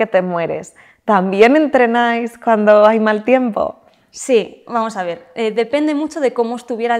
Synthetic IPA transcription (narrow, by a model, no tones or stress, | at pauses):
e̞t̪e̞mwe̞ɾḛs | t̪ambje̞ne̞nt̪ɾe̞najskwand̪o̞ajmalt̪je̞mpo̞̰ | sibamo̞saβ̞e̞ɾeðe̞pe̞nd̪e̞mut͡ʃo̞ð̞e̞ko̞moest̪uβ̞jeɾa